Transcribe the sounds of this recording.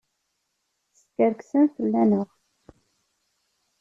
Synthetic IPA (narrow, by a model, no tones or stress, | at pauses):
skəɾksænθəlːænʊʁ